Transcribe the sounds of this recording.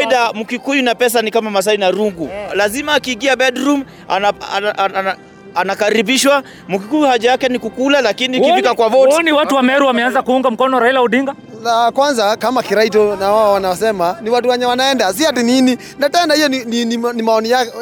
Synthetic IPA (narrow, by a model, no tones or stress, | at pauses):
iɗamukikujunapɛs̬anikamamas̬ainaɾuŋɡulazimaːkiːŋɡiabɛdɾum | a̰naa | anakaɾibiʃwa | mukikuhaʄajakɛnikukulalakinikifikakwavɔtiniwatuwamɛɾuwamɛanzakuuŋɡam̩kɔnɔɾailauɗiŋɡa | lakwanzakamakiɾait̬ɔnawawawanawsɛmaniwat̬uwaɲawanaɛndas̬iatinini | natɛnahijɔninininimaɔnija